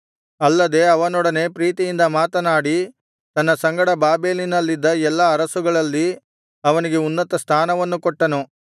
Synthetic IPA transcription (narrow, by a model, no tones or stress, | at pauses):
ɐlːɐd̪e̞ɐʋɐnɔɽɐne̞pɾiːt̪ijind̪ɐmaːt̪ɐnaːɽi | t̪ɐnːɐsɐŋɡɐɽɐbaːbe̞ːlinɐlːid̪ːɐɛlːɐːɾɐsuɡɐɭɐlːi | ɐʋɐniɡe̞unːɐt̪ɐst̪ʰaːnɐʋɐnːukɔʈːɐnu